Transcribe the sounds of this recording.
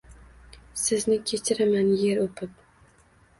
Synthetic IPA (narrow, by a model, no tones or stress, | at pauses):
sɪznɪkʲʰe̞t͡ʃʰɪɾamanjeɾopʰɪp̚